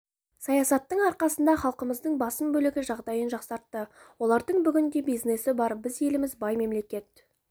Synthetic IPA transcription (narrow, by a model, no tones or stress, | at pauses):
sɑjɑsɑt̪ːəɴɑɾqɑsənd̪ɑχɑlˠqəməzd̪əɴbɑsəmbɵlɪɡʲɪʒɑʁd̪ɑjənʒɑqsɑɾt̪ːəwo̞lˠɑɾd̪əɴbʏɡʲɪnd̪e̞bijzne̞sɪbɑɾbɪze̞lɪmɪzbɑjme̞mle̞kʲe̞t̪̚